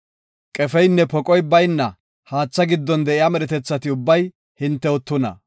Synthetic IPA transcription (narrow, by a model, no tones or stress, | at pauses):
kʼɛfɛjnːɛpɔkʼɔjbɐjnːɐ | haːt͡sːɐɡɪd̪ːɔnd̪ɛʔɪjamɛɾɛt̪ɛt͡sːɐt̪ɪʊbːɐj | hɪnt̪ːɛɔt̪ːʊnɐ̰